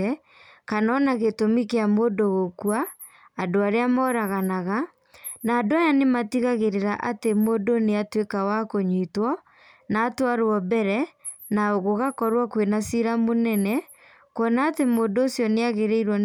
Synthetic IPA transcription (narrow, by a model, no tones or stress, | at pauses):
ɛ | kanɔnaɣetomikeamoːdoɣokuaː | doaɾeamɔːɾaɣanaɣa | naːdoajanematiɣaɣeɾeɾaʔatemoːdoneatwekawakoɲitwɔ | naːtwaɾoɔbɛɾɛ | naoɣoɣakɔɾwakwenasiɾamonɛnɛ | kwɔnaːtemoːndoːsjɔneaɣeɾeiɾwɔ